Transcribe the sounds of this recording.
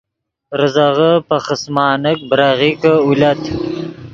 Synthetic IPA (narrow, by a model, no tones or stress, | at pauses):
ɾəzaʁəpaχəsmɑːnək̚bɾaʁikəulʲat̪